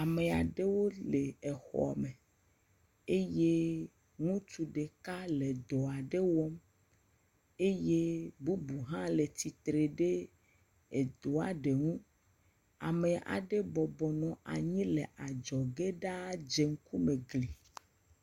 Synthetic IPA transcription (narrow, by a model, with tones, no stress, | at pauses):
a˨me˨a˨ɖe˦wo˦le˨e˨xɔ̰˨a̰˨me˨ | e˦je˦ | ŋũ˦t͡ʃu˨ɖe˨ka˦le˨d̪ɔ˨a˨ɖe˦wɔ˦m | e˦je˦bu˦bu˨ɦã˦le˨t̪i˨t̪ɾe˨ɖe˦ | e˨d̪o˨a˨ɖe˨ŋũ˦ | a̰˨me˨a̰˨ɖe˦bɔ˨bɔ˨nɔ̃˨ʔa˨ɲĩ˦le˨ʔa˨d͡ʒɔ˨ɡe˦ɖa˦d͡ʒe˨ŋ̩˦ku˦mẽ˨ɡli˨